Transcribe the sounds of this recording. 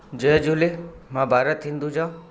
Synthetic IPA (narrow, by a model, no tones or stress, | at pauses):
d͡ʒəd͡ʒulemãbʱaːɾət̪ʰĩːnd̪ud͡ʒãː